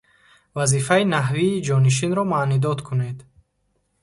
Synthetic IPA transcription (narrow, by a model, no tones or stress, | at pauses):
vazifainaɦviːd͡ʒɔniʃ̬inɾɔmaʔnid̪ɔt̪kʰune̞d̪